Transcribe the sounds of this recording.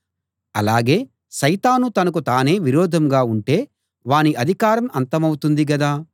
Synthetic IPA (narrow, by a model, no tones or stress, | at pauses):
ɐ̰laːɡe̞ː | ʃɐjt̪aːnut̪ɐnɐk̬ut̪aːne̞ːʋiɾɔːd̪ʱɐmɡaːuɳʈe̞ː | ʋaːniʔɐd̪ʱikaːɾɐmɐnt̪ɐmɐwut̪und̪iɡɐd̪aː